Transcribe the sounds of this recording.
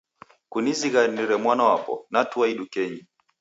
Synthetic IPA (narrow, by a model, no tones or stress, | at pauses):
kuniziɣaniɾɛmwanawapɔ̰natuaiɗukɛɲi